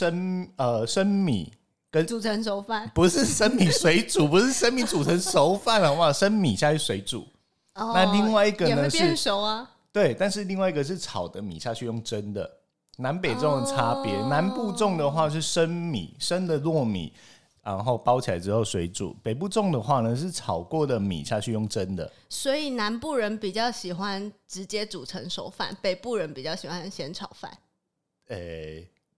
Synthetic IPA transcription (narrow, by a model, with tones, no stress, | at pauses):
ʂə˥nə˧ʂə˦˥nmḭ˨˩˦ | kə˦nu˨˩t͡sʰə˧˦˥nʂo˧˥ʊfa˥˩npu˨˦ʂɻ̩˥˨ʂə˥nmi˨˩swe˧˦ɪt͡su˨˩pu˧˦ʂɻ̩˥˧ʂə˥nmi˧˥t͡su˨˩t͡sʰə˨˦nʂo˧˥ʊfa˥˩ndə˩wa˥˧ʂə˥nmi˨˩ɕja˥˧t͡ɕʰy˥˩swe˧˥ɪʈ͡ʂṵ˨˩˦ | na˥˧li˥˧ŋwa˥˧ɪi˧ɡə˨nə˦ɛy˥˧ʂo˧˥ʊa˧ | t̪we˥˩ɪt̪a˥˧nʂɻ̩˥˧li˥˧ŋwa˥˩i˧˥ɡə˨ʂ̬ɻ̩˥˩t͡sʰɑ˨˩ʊd̪ə˦mḭ˨˩ɕja˥˧t͡ɕʰy˥˧jʊ˥˩ŋʈ͡ʂə˦˥nd̪ə̰˨˩ | na˧˦npe˨˩ɪʈ͡ʂə˥˩˥ə˩ʈ͡ʂʰa˥pjɛ˧˦na˧˦npu˥˧ʈ͡ʂʊ˥˩ŋd̪ə˩xwa˥˧ʂ̬ɻ̩˥˩ʂə˦nmḭ˨˩˦ʂə˦nd̪ə˨lwɔ˥˨mḭ˨˩˦ | ɻa˧˦nxo˥˩ʊpɑ˥ʊt͡ɕʰi˨la˨˧ɪʈ͡ʂɻ̩˥˦xo˥˩ʊswe˧˥ɪʈ͡ʂṵ˨˩˦pe˨˩ɪp̬u˥˧ʈ͡ʂo˥˩ŋd̪ə˨xwa˥˩nə˨ʂ̬ɻ̩˥˩ʈ͡ʂʰɑ˨˩ʊkwɔ˥˩d̪ə˩mḭ˨˩ɕja˥˧t͡ɕʰy˥˧jʊ˥˩ŋʈ͡ʂə˦nd̪ə̰˨swɔ˧˥i˨˩na˧˥npu˥˩ɻə˧˦npi˨˩t͡ɕjɑ˥˩ʊɕi˨˩xwa˦nʈ͡ʂɻ̩˧˦t͡ɕjɛ˥t͡su˨˩ʈ͡ʂʰə˧˥ŋʂo˨˩ʊfa̰˥˩npe˨˩ɪpu˥˩ɻə˧˦npi˨˩t͡ɕjɑ˥˩ʊɕi˨˩xwa˦nɕjɛ˧˥nʈ͡ʂʰɑ˨˩ʊfa̰˥˩n | e˥˧˩